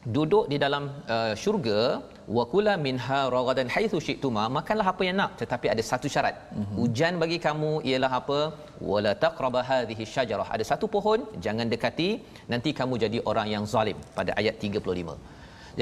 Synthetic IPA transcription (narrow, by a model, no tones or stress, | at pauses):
dudʊʔdidalaməʃurɡa | wakulamɪnɦaɾˤɑɣd̪anħajθuʃɪʔt̪umamakanlaɦapəjaŋnãʔt̪ət̪apiadasat̪uʃaɾa̰t̪̚ud͡ʒanbaɡikamũḭjəlaɦapə | wa̰lat̪aqɾɑbɦaːðiɦiaʃːad͡ʒɑɾˤɑhʔa̰dasat̪upoɦɔnd͡ʒaŋãndəkat̪i | nãnt̪ikamũd͡ʒadiʔoɾaŋjaŋzalɪmpadaʔa̰jat̪ːiɡapulʊlimə̰̃ | d͡ʒ